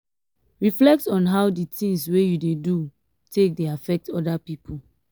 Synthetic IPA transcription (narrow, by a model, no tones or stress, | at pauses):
ɹiflɛk̚tɔ̃nɦaʊditʰĩŋswejudedu | tʰek̚deafɛk̚tɔdapipʰul